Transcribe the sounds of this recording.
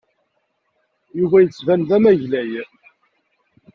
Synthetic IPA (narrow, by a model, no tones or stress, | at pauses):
juvæjət͡sːvænðæmæʝlæj